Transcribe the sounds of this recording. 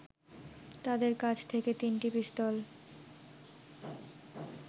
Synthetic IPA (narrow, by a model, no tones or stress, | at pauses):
t̪ad̪eɾkad͡ʑʰt̪ʰeket̪inʈibist̪ɔl